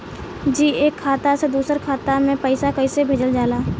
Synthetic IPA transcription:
d͡ʒiːeːkʰːaːt̪ased̪uːsəɾkʰaːt̪amẽpəɪsakəɪsebʱeːd͡ʒəld͡ʒaːlaː

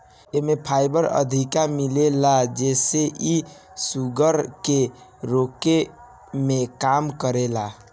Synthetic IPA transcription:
emepʰajbəɾə̰d̪ʱikamilelad͡ʒeseʔi | suɡəɾke | ɾoke | mekamkəɾela

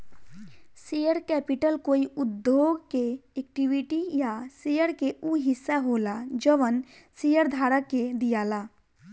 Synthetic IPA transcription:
sijəɾkɛpiʈəlkoːiud̪joɡkeek̚ʈiʋiʈijasejəɾkeuɦɪsːaɦolad͡ʒəʋən | sijəɾd̪ʱaɾəkːed̪ijaːla

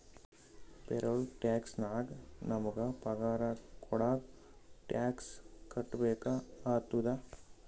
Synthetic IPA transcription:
pɛɾɐlʈjaːksnaːɡnɐmɐɡɐpɐɡaːɾakʰɔɽaːɡ | ʈjaːkskɐʈːbeːkaaːt̪ːud̪a

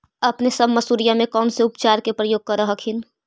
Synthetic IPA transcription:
ɐpnesəbmɐsuːɾijamẽkɔːnseʊpt͡ʃaːɾkepɾəjoːɡ̚kɐɾəɦəkʰɪn

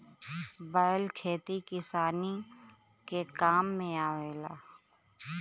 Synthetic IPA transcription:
bəəlkʰeːt̪ikɪsaːni | kekaːmːẽaːʋeːla̰ː

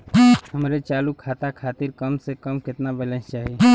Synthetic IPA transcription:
həmɾet͡ʃalukʰat̪akʰat̪iɾkəmsekəmket̪nabələ̃nt͡ʃaɦi

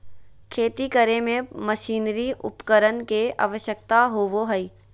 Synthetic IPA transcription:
kʰeːt̪ikəɾemẽməʃiːnɾiʔʊ̰pkəɾənkeʔa̰ːʋəʃjək̚t̪aɦoːʋoɦəiː

